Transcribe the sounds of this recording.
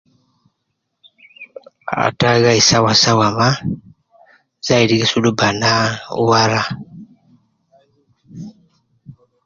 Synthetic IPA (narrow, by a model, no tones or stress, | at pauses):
a̰taɣaisawasawama | z̥aidiɣisulubanaṵwaɾa